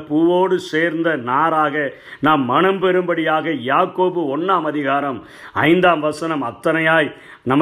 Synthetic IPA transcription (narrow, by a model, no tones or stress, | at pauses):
puːʋoːɽɯseːɾnd̪ɐnaːɾaːɣɐ | naːmːɐɳɐmpɛɾɯmbɐɽɪjaːɣɐjaːkoːbɯɔnːaːmɐðɪɣaːɾɐm | ɐɪnd̪aːmʋɐsɐnɐmɐt̪ːɐnɐjaːj | nɐmː